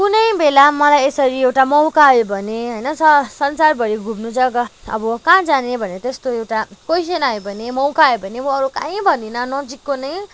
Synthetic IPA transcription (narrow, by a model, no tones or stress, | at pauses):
kunʌjbelamʌlajesʌɾiewʈamʌwkajobʱʌneɦʌjnʌsʌsʌnt͡sarbʱʌɾiɡʱubnut͡sʰʌɡʌʌ̰bʌkãd͡zanebʱʌneʌt̪est̪oewʈakojs̬enajobʱʌnemʌwkajobʱʌnemʌːɾukãĩbʱʌninʌnʌd͡zikːonʌj